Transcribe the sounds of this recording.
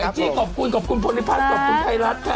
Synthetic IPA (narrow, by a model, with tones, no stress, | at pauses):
t͡ɕiː˧˥˩kʰɔː˨˩p̚ku˧nkɔː˨˩p̚kʰu˧npʰo˧li˦˥pʰaː˦˥˩kɔː˨˩p̚ku˧nfa˧jɾa˦˥t̪̚ʰa˧